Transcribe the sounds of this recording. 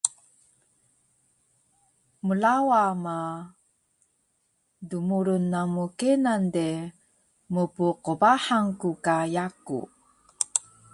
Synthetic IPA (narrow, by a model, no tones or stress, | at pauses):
mulawama | dumuɾunːamukenande | mupuqubaħaŋkukajakṵ